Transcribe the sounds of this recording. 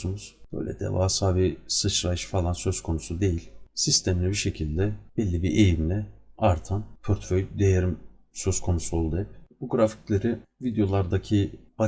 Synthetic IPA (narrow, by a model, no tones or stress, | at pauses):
unuz̥b̥ø̞̰jlʲɛ̰d̪ɛ̰va̰ːsaːbisɯt͡ʃɾajʃfalˠansø̞z̥kʰo̞nusud̪e̞jilʲsist̪ʰɛmlʲɛbiʃe̞cʰilʲd̪ɛb̥ɛlʲːibiɾʔejimlʲɛaɾt̪ʰanpʰøɾt̪føjd̪ejeɾim | sø̞z̥kʰo̞nusolˠd̪ɛpb̥uɡɾafi̥clʲeɾɪvid̪jo̞lˠaɾd̪acʰib̥a